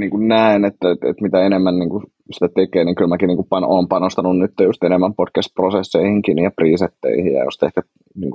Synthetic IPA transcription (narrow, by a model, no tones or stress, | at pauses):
niːŋkunnæinet̪ːæḛt̪mit̪æenemːænniːŋku | si̥t̪æt̪ekeːniːŋkylmækinniːŋkupɑnʔoːmpɑnost̪ɑnunnyt̪ːejust̪enemːæmpodkæst̪̚prosesːeihiŋkinijɑpriːset̪ːḛihijjɑ̰jo̰st̪ehkæ | niːŋk